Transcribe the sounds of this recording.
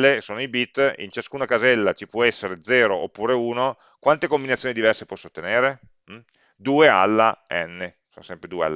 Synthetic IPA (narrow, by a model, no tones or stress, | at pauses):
esoːnoibit̪ːḭnt͡ʃaskuːnakazɛlːat͡ʃipwɔɛsːeɾed̪zɛːɾoʔopːuːɾeuːno | kwant̪ekombinat̪sjoːnid̪ivɛrsepwɔsːot̪ːeneːɾe | d̪uːea̰lːaɛnːesoːnosɛmpɾed̪uːea̰lːa